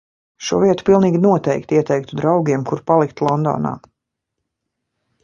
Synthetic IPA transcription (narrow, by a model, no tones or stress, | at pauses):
ʃuɔviɛt̪u̥pilˠniːɡʲinuɔt̪ɛjkt̪iɛt̪ɛjk̚t̪ud̪ɾawɡʲiɛmkuɾpalˠikt̪lˠɔnd̪ɔ̰ːna̰ː